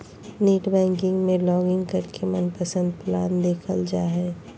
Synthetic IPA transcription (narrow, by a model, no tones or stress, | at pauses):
neːʈbɛ̃ːŋkɪ̃ŋɡmẽlɔːɡɪ̃ŋɡkɐɾkʰemənpəsə̃nd̪̚plaːnd̪eːkʰəld͡ʒaːɦɛː